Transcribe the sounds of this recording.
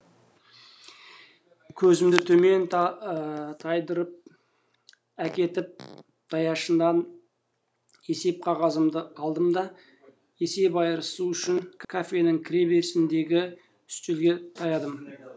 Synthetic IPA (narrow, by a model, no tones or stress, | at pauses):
kʲʰɵzɪmd̪ɪt̪ʰɵme̞n | t̪ʰɑjd̪əɾəp̚ | ækʲe̞t̪ɪp̚ | d̪̥ʰɑjɑʃənd̪ɑn | e̞se̞p̚qʰɑʁɑzəmd̪əɑlˠd̪əmd̪ɑ | je̞se̞pɑjəɾəsuʏʃɪŋkʰafʲe̞nəŋkʲʰɪɾʲebe̞ɾsɪnd̪e̞ɡʲɪ | ʏst̪elɡʲe̞t̪ʰɑjɑd̪əm